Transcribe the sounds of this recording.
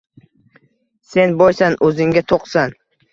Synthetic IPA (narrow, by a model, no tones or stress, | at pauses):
se̞nbojsanʔɵzɪŋʲat̪ʰoqsan